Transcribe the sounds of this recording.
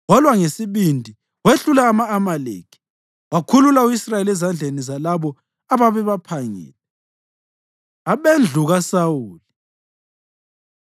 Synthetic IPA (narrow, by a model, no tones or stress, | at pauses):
wɔlwaŋesiβindʱi | weɬulaːmaːmalḛːkʰi̥ | wakʰululauisrajelɛzand͡ɮʱenizalaβɔ | aβaβɛβapʰaŋɛ̰ːlɛ | aβend͡ɮʱuɣasawuːli